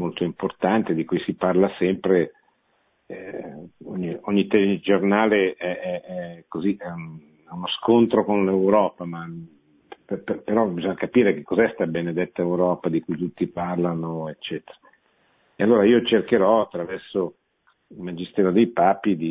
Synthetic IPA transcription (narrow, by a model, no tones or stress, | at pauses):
molt̪oimport̪ant̪ed̪ikujsiparlasɛmpɾe | oɲːioɲːit̪ɛd͡ʒornaːleɛɛɛkoziɛun | ɛunoskont̪ɾokonlewɾɔːpama | pppeɾɔbizoɲːakapiːɾek̟ekːɔzɛst̪abened̪et̪ːaewɾɔːpad̪ikujt̪ut̪ːiparlanoet͡ʃːɛːt̪eɾa | ealːoːɾaiːot͡ʃerkeɾɔat̪ːɾavɛrso | ilmad͡ʒist̪ɛːɾod̪ejpaːpid̪i